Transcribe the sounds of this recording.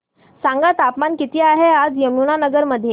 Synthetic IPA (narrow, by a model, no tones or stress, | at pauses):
sãŋɡat̪apmankit̪iːaɦead͡zjəmuɳ̃anəɡəɾməd̪ʱːje